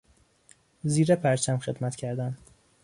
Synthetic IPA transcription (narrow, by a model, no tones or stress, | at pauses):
ziːɾepʰæɾt͡ʃʰæmxe̞d̪mæt̪cʰæɾd̪æn